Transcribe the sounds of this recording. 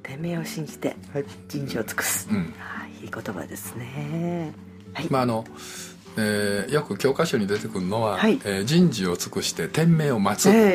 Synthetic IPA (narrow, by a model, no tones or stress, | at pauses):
t̪ẽ̞mːe̞ːo̞ɕĩɲ̟d͡ʑi̥t̪e̞̰ | d͡ʑĩɲ̟d͡ʑiot͡sɨ̥kɯ̥sɨ̥ɯ̟̃ɴaikot̪oba̰d̪e̞sɨ̥ne | himaːno̞ | ejo̞kɯ̟kʲo̞ːkaɕo̞ɲ̟id̪e̞t̪e̞kɯ̟ɾɯno̞βahaieːd͡ʑĩɲd͡ʑio̞t͡sɨ̥kɯ̟ɕi̥t̪e̞t̪ẽ̞mːe̞ːo̞mat͡sɨ